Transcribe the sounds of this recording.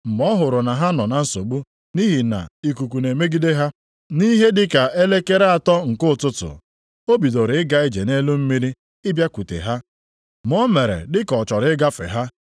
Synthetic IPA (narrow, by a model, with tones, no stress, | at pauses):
m̩˨mɔ˦ɦʊ˨ɾʊ˨na˨ɦa˦nɔ˨na˨n̩˦so˨ɡ͡bu˦ | ni˦ɦi˨na̰˨i˨ku˨ku˨ne˨me˦ɡi˦de˦ɦa˦ | ni˦ɦe˦dɪ˦ka˨e˦le˦ke˦ɾe˦a˨tɔ˦ŋ̩˨kʊ˦˨tʊ˦tʊ̰˨ | o˦bi˨do˨ɾɪ˨˦ɪ˦ɡa˦ɪ˦d͡ʒe˨ne˦lu˦m̩˦mi˦ɾi˦ | ɪ˦bja˦ku˨tḛ˨ɦa˦ | m˦ɔ˦me˨ɾḛ˨dɪ˦kɔ˨t͡ʃɔ˨ɾɪ˦ɡa˦fḛ˨ɦa˦